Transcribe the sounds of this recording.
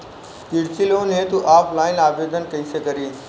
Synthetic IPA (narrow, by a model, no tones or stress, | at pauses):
kiɾt͡ʃiloːnɦẽːt̪uʔaːpʰlaːɪnaːʋeːd̪ənkɐisekɐɾiː